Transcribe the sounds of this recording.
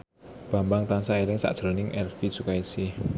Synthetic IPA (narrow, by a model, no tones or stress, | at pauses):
b̥ä̤mbaŋt̪aŋsaeɾɪŋsa̰ʔd̥ʒ̥ɾo̤nɪŋɛrfisukaisɪh